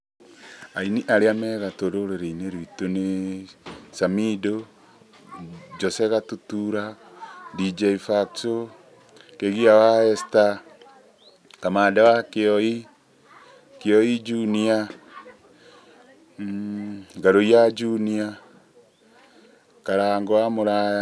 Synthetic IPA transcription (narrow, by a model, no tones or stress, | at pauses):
ainiʔaɾeamɛɣatoɾoɾeɾeineɾwitone | samido | d͡ʒɔsɛɣatutuɾadid͡ʒɛifakso | keɣiawaɛsta | kamaːdawakeɔi | keɔid͡ʒunia | ŋɡaɾojad͡ʒunia | kaɾaŋɡoamoɾaja